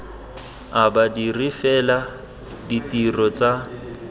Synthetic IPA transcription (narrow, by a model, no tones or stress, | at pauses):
abadirifɛla | ditʼirɔt͡sʼa